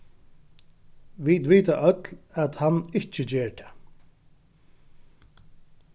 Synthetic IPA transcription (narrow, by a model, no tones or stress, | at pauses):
ʋid̪ʋiːt̪aʔœt̪læt̪hanːɪht͡ʃɪt͡ɕɛːɹt̪ʰɛ̥ː